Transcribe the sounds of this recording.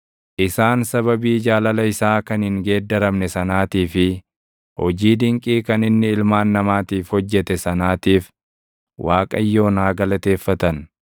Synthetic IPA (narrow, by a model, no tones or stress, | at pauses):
ʔɪsaːnsɐβɐbiːd͡ʒaːlɐlɐɪsaːkɐnhɪŋɡe̞ːd̪ːɐɾɐmnɛsɐnaːt̪iːfɪ | hɔd͡ʒiːd̪ɪŋkʼiːkɐnɪnːɪɪlmaːnːɐmaːt̪iːfhɔd͡ʒːɛt̪ɛsɐnaːt̪iːf | waːkʼɐ̰jːo̞ːnaːɡɐlɐt̪e̞ːfːɐt̪ɐn